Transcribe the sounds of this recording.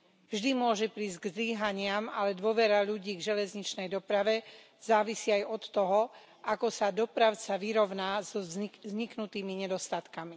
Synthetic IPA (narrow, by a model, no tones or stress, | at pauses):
vʒd̪imʊɔʒɛpɾiːzɟɡzliːɦaɲɪamalɛd̪ʊɔʋɛɾaʎuɟiːɡʒɛlɛzɲit͡ʃnɛjd̪ɔpɾaʋɛ | z̥aːʋisiːajɔt̪ːɔɦɔ | akɔsad̪ɔpɾaʊt͡saʋiɾɔʊnaːzɔzɲiknut̪iːmiɲɛd̪ɔst̪at̪kami